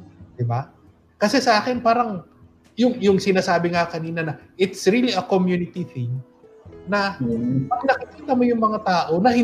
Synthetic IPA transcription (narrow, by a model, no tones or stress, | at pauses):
d̪ɪba | kɐsɛsɐʔaːkɪnpaːɾɐŋ | jʊŋjʊŋsɪnaːsaːbɪŋakɐniːnɐnɐʔɪt̪sɹiliɐkomjunɪt̪iθɪ̃ŋ | nɐpɐɡ̚nɐkɪkiːt̪ɐmojʊŋmɐŋat̪aːʔo̞nɐhɪ